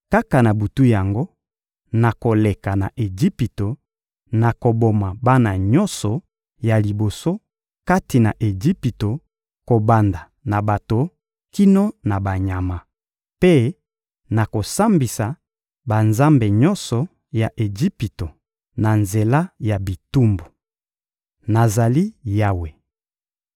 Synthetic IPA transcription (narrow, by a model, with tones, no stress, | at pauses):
ka˦ka˨na˨bu˨tu˦ja˨ŋɡo˦ | na˨ko˨le˨ka˨na̰˨ʔe˨d͡ʒi˦pi˨to˨ | na˨ko˨bo˨ma˨ba˦na˨ɲɔ˦nsɔ˨ | ja˨li˨bo˨so˦ | ka˦ti˨na˨ʔe˨d͡ʒi˦pi˨to˨ | ko˨ba˨nda˨ | na˨ba˨to˨ | ki˦no˦na˨ba˨ɲa˨ma˨ | pe˦ | na˨ko˨sa˦mbi˨sa˨ | ba˨nza˦mbe˨ɲɔ˦nsɔ˨ | ja˨ʔe˨d͡ʒi˦pi˨to˨ | na˨nze˨la˦ja˨bi˨tu˦mbo˨ | na˨za˨li˦ja˦we˨